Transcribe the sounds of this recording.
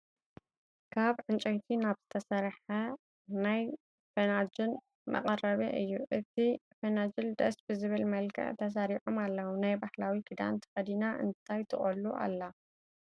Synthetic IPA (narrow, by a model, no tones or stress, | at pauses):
kʰaβʕɨnt͡ʃʼɐjt̪ʰinaβz̥ɨt̪ʰɐsɐɾħɐ | naj | fenad͡ʒɪl | mɐ̰qʼɐɾɐβeʔɨjːuʔɨt̪ʰifɐnad͡ʒɨld̪ɐ̰sbɨzɨβɨlmɐlkʰɐ̰ʕt̪ʰɐs̬aɾiħomalːɐwunajbahlawikɨd̪a̰nt̪ʰɨ̥xɐd̪inaʔɨ̰nt̪ʰajt̪ʰɨχʼɐlːuʔa̰lːɐ